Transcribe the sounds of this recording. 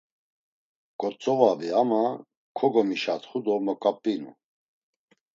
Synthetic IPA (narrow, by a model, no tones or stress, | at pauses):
kʼɔt͡sʼɔvaviama | kʰɔɡɔmiʃat̪χud̪ɔmɔkʼapʼːinṵ